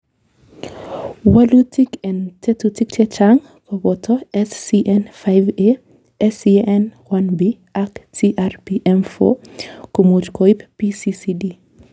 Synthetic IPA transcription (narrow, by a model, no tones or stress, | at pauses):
walutikɛntɛtutik̚tɛt͡ʃaŋ | kɔbɔtɔɛsːiʔɛnfajve | ɛsiʔɛnwanbi | aktiʔarpiʔɛmfo̰komot͡ʃkoippisisidi